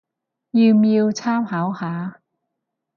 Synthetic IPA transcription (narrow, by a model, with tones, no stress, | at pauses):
jiː˧wmiː˧wt͡sʰaː˥mhaː˨˥whaː˨˥